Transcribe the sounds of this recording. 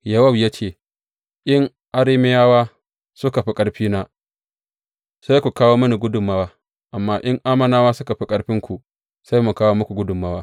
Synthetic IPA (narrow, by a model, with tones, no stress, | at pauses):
jɐ˦wɐ˦bja˦t͡ʃeː˨ | ʔɪ˦ŋ | ʔa˦ɾiː˦mɪ˦jaː˦waː˦ | sʊ˦ka˨ɸi˦kʼɐ˦ɽɸiː˦naː˦ | sa˦jkʷu˨kaː˦woː˦mɐ˦ni˨ɡʷʊ˦dʊ˨mːa˦waː˦ | ʔa˨mːaː˦ʔɪ˦ŋʔaː˦mɐ˨naː˦waː˦sʊ˦ka˨ɸi˦kʼɐ˦ɽɸɪ˦ŋkʷu˨ | sa˦jmu˨kaː˦woː˦mʊ˦kʷu˨ɡʷʊ˦dʊ˨mːa˦waː˦